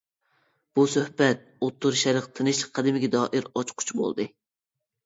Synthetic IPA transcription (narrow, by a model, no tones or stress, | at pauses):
b̥usøhbɛt̪̚ot̪ːuɾʃɛɾəqt̪ʰɨnɨʃqʰæd̪ɪmɪɡʲɛd̪ɑːʔɪɾɑt͡ʃqʰʊ̥t͡ʃʰbo̰lˠd̪ɨ